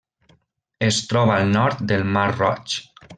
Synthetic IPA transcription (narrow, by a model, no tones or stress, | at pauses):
est̪ɾɔβaːlˠnɔɾt̪̚d̪elˠmaɾrɔ̰t͡ʃ